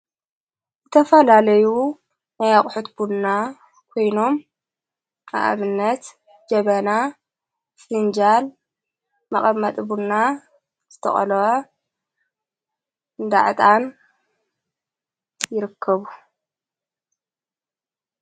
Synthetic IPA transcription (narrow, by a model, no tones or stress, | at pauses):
zɨt̪ʰɐfɐlalɐju | najaχʼħut̪buːa | kʰo̞jno̞m | ʔʼa̰ʔa̰βɨnːɐt̪ | d͡ʒɐβɐna | sɨnd͡ʒal | mɐχʼɐmːɐt̪ʼbunːa | z̥ɨt̪ʰɐ̰χʼɐ̰lʕɐ | ɨnd̪a̰ʕɨt̪ʼan | jɪɾɨkʰːɐβu